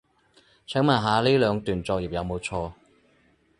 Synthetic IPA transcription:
t͡sʰɛ˨˥ŋmaː˨˩ɦaː˨˧liː˥lœː˨˧ŋt̪yː˨˩nt͡sɔː˧k̚ji˨p̚jɐ˨˧wmo˨˧wt͡sʰɔː˧

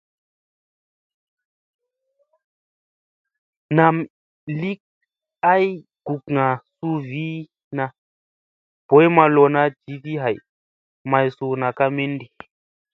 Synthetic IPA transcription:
na˨m | li˦k̚ | a˦j | ɡ̥u˨kŋa˨su˦vi˦ | na˧ | b̥ɔ˨˦jma˧lɔ˨na˦d͡ʒi˨˦ti˦ɦa˨j | ma˨jsu˨na˨ka˦me˦ndi˨

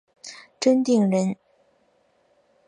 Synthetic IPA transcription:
ʈ͡ʂə˥nt̪i˥˩ŋɻə˧˥n

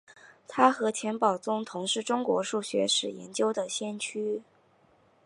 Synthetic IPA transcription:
t̪ʰa˥xɤ˧˥t͡ɕʰjɛ˧˥npɑ˨˩ʊt͡sʊ˥ŋt̪ʰʊ˧˥ŋʂɻ̩˥˩ʈ͡ʂʊ˥ŋkwɔ̰˧˥ʂu˥˩ɕɥɛ̰˧˥ʂɻ̩˨˩jɛ̰˧˥nt͡ɕjo˥ʊd̪ə˨ɕjɛ˥nt͡ɕʰy˥

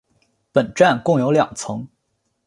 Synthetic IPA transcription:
pə˨˩nʈ͡ʂa˥˧nkʊ˥˩ŋjo˧˥ʊljɑ̰˨˩ŋt͡sʰɤ˧˥ŋ

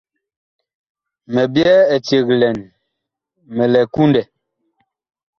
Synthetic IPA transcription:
mɛ˨bjɛ˦e˨tje˨ɣlɛ˨n | mɛ˨lɛ˨ku˦ndɛ˨

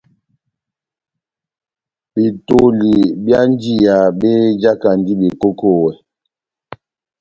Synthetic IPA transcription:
bi˨to˦˨li˨bja˦n˦d͡ʒi˦ja˨be˦d͡ʒa˦ka˨n˨di˦bi˨ko˦ko˦˨wɛ˨

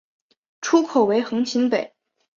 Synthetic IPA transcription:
ʈ͡ʂʰu˥kʰo˨˩ʊwe˧˥ɪxɤ˧˥ŋt͡ɕʰi˧˥npe˨˩˦ɪ

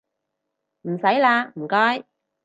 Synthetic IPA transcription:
m̩˨˩sɐ˨˥jlaː˧m̩˨˩kɔː˦˥j

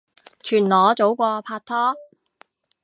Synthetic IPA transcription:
t͡ʃʰyː˨˩nlɔː˨˧t͡so˨˥wkʷɔː˧pʰaː˧t̚t̪ʰɔː˥

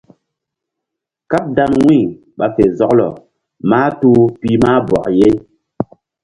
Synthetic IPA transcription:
ka˦p̚da˦nwi˦˨ | ɓa˨fe˨zɔ˦klɔ̰˨ | maː˦tu˦pi˦ma˦bɔ̰˨kje˦

